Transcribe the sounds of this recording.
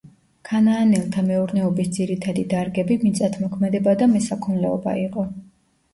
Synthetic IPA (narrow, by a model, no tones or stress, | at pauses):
kʰanaːnɛlˠt̪ʰamɛuɾnɛɔbisd̪ziɾit̪ʰad̪id̪aɾɡɛbimit̪sʼat̪ʰmɔkʰmɛd̪ɛbad̪amɛsakʰɔnlɛɔ̰ba̰iqʼɔ